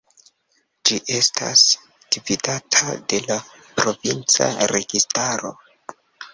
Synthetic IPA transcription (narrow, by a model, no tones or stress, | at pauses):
d͡ʒiʔe̞stʰa̰s | d̥ividatʰa̰de̞la | pɾo̞vint͡sa̰ɾe̞ɡistaɾo̞̰